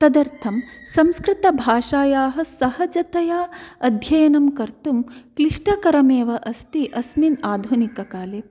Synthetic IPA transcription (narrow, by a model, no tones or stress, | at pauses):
t̪ɐd̪ɐɾt̪ʰɐmsɐmskɾɪt̪ɐbʱaːʂaːjaːɦɐ̆sɐɦɐd͡ʒɐt̪ɐjaːɐd̪ʱjɐjɐnɐmkɐɾt̪umkliʂʈɐkɐɾɐmeːʋɐʔɐst̪iʔɐsminaːd̪ʱunikɐkaːleː